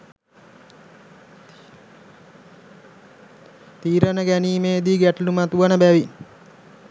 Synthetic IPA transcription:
t̪iːɾənəɡæniːmeːd̪iːɡæʈlumat̪uʋanəbæʋi

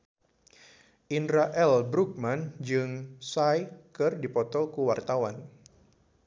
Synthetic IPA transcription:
ʔinɾaʔɛlbɾuk̚mand͡ʒɨŋsajkɨrdipɔt̪ɔlkuwart̪awan

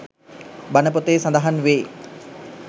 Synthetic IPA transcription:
banəp̬ot̪eːsãnd̪aɦanʋeː

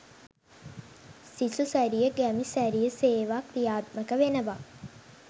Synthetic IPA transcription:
sisusæɾijəɡæmisæɾijəseːʋakɾijaːt̪̚məkəʋenəʋa

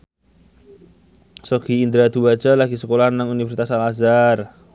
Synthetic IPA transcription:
soɡ̥iːnd̪ɾad̪̥uwad̥d͡ʒ̥a̤laɡ̥isəkolahnaŋunifəɾsit̪asalazar

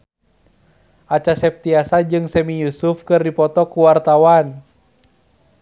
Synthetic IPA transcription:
ʔat͡ʃasɛp̚t̪iasad͡ʒɨŋsɛmijusufkɨrdipɔt̪ɔkuwart̪awan

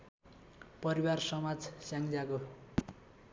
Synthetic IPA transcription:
pʌɾiwarsʌmad͡zsjaŋd͡zako

